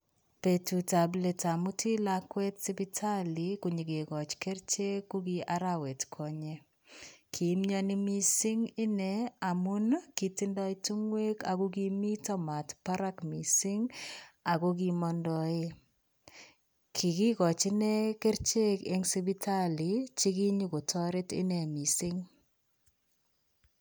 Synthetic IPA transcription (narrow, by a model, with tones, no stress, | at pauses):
pe˨tu˨ta˨ble˨ta˨mu˦tʰi˦lakwɛ˦tsi˦bitʰa˦likuɲi˨ke˨kɔ˨t͡ʃke˦ɾt͡ʃe˦kːuki˦ʔa˦ɾawe˨tkʰɔ˨ɲe | kʰi˨˦mɲɔni˦mi˦si˦ŋɪ˦nɛ˨a˨mʊ˦nki˨tindɔ˦itu˦ŋwe˦kaku˦k̬imi˦tɔma˨tpa˦ɾa˦kmi˨sɪ˦ŋa˨ko˦k̬i˨mɔndɔ˦e˦ | kʰi˨ki˦kɔ˨t͡ʃɪ˦nɛ˦ke˦ɾt͡ʃe˦ke˦ŋsi˦bi˦tʰa˦li˨t͡ʃi˦ki˦ɲu˦ko˨tʰɔ˦ɾɪ˦tɪ̰˦nɛ˨mi˨sɪ˦ŋ